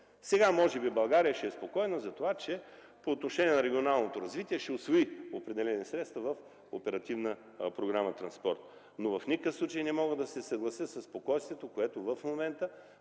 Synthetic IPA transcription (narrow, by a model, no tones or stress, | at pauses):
sɛɡamɔʒɛbibɐlˠɡaɾijəʃɛːspokɔjɛnəzɐt̪ovat͡ʃɛ | poːt̪noʃɛnʲiɛnɐɾɛɡʲionalˠnot̪oɾɐzvit̪iɛʃɛosvoiopɾɛd̪ɛlɛnisɾɛt̪st̪vɐvɐf | o̰pɛɾɐt̪ivnə | pɾoɡɾamət̪ɾɐnspɔɾt̪ | novɐfnʲikəfslˠut͡ʃəjnɛmɔɡəd̪ɐsɛsɐɡlˠɐsjəsɐsːpokɔjst̪vʲɛt̪okoɛt̪ovəfmomɛnt̪ə